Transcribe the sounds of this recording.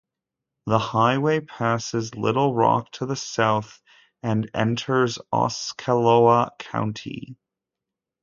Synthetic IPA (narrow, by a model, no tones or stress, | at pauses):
ðəhaɪweɪpʰæsɨzlɪ̰ɾl̩ˠɹɑ̰k̚tʰəðəsaʊθ | ɨ̃nɛ̰̃ntʰə˞zɑ̰skʰəloʊəkʰãʊ̃ntʰḭ